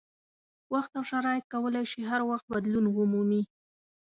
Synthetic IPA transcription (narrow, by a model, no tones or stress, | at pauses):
waxt̪awʂaɾɑjɪt̪̚kawəlajʃiɦaɾwaxt̪̚bad̪lunwʊmumi